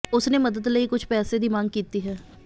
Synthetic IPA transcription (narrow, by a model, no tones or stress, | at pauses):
ʊsneːməd̪əd̪ləiːkʊt͡ʃʰpɛːseːd̪iːmãŋɡkiːt̪iːɦɛː